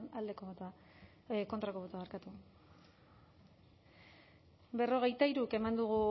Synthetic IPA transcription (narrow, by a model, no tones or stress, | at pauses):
nald̪ekoa | ko̞nt̪ɾako̞βot̪oaːɾkat̪u | be̞ro̞ɣ̞e̞jt̪aiɾuke̞mand̪uɣ̞u